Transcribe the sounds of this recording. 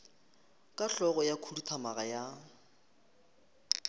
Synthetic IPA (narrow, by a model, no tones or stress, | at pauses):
kʼaɬɔɣɔjakʰulutʰamaɣaja